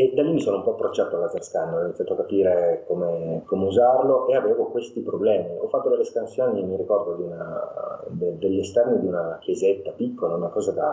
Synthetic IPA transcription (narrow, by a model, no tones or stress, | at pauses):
ed̪alːimisoːnoumpɔapːɾot͡ʃːaːt̪oalːazarskanːɔinit̪sjat̪oakapiːɾekomekʰomeuzarloʔeaveːvokwest̪ipɾoblɛːmiɔfːat̪ːod̪elːespansjoːniemːiɾikɔrd̪od̪iuna | d̪ed̪elːest̪ɛrnid̪iunakjezet̪ːapikːolaunakɔːzad̪a